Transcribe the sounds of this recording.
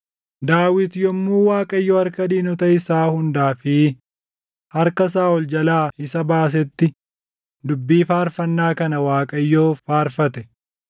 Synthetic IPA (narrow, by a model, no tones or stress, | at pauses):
d̪aːwɪt̪jɔmːuːwaːkʼɐjːoːhɐɾkɐd̪iːnɔt̪ɐɪsaːhʊnd̪aːfɪ | hɐɾkɐs̬aːɔld͡ʒɐlaːɪsɐbaːs̬ɛt̪ːɪ | d̪ʊbːiːfaːɾfɐnːaːkɐnɐwaːkʼɐjːoːfaːɾfɐt̪ɛ̥